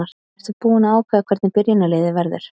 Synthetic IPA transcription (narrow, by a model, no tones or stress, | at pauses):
aɾ̥ | ɛɾ̥t̪vapuːɪnaːwkʰvaːðakʰvɛɾt̪nɪpɪɾjɪnaleːjðɪvɛɾðʏ̰ɾ̥